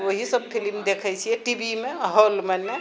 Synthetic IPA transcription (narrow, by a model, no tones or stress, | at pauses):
ʋoɦisəb̚pʰilmd̪ekʰɛt͡ʃʰijɛʈibimeɦəlmənːe